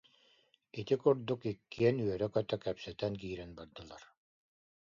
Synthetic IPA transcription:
it̪ikuɾd̪ukikːiɛnyœɾɛkœt̪œkɛpsɛt̪ɛnk̬iːɾɛnbaɾd̪ɯlˠaɾ

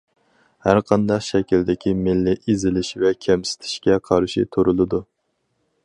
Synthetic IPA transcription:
hæɾqʰɑnd̪ɑqʃɛkʲild̪ɪkʲʰimɪlːɪʔizɪlɪʃvɛkʲʰɛmsɪ̥t̪ʰɪ̥ʃkʲɛqʰɑɾʃit̪ʰuɾulˠɨd̪u

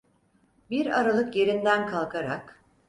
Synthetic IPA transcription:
biɾaɾalˠɯkje̞ɾind̪ænkʰalˠkʰaɾak

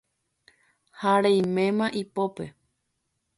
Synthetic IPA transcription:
haɾẽj̃mẽ̞mãʔipope̞

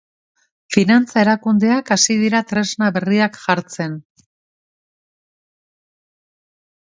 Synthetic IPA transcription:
finant͡sae̞ɾakund̪e̞akasið̞iɾat̪ɾe̞znaβe̞riakʝaɾt͡se̞n

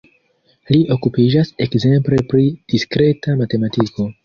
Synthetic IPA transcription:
liʔo̞kupid͡ʒase̞kze̞mple̞pɾid̥iskɾe̞tamate̞matiko̞

